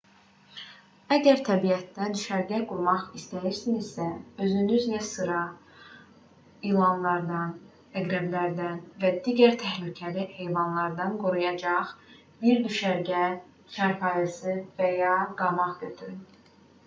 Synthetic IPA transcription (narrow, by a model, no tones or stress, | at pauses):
æɟæɾt̪ʰæbijæt̪ːæd̪yʃæɾɟæɡuɾmɑχist̪æjiɾsinizsæø̞zynyzlæsɯɾɑ | ilˠɑnlˠɑɾd̪ɑn | æɡɾæblæɾd̪ænvæd̪iːɟæɾt̪ʰæhlycʰælihe̞jvɑnlˠɑɾd̪ɑnɡoɾujɑd͡ʒɑχ | biɾd̪yʃæɾɟæ | t͡ʃæɾpʰɑjɑsɯvæjɑɡɑmɑʁɡøt̪ʰyɾ